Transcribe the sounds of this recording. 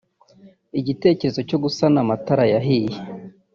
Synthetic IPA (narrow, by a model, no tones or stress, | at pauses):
iɟite̞ːce̞ɾe̞zo̞co̞ɡusanamataɾajaɦije